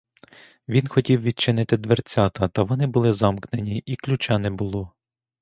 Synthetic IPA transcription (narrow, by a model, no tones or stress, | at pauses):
ʋʲinxɔtʲiwʋʲid̪̚t͡ʃɪnɪt̪ɪd̪ʋert͡sʲɑt̪ɐt̪ɐʋɔnɪbʊlˠɪzɑmknenʲiʔiklʲut͡ʃɑnɛbʊlˠɔ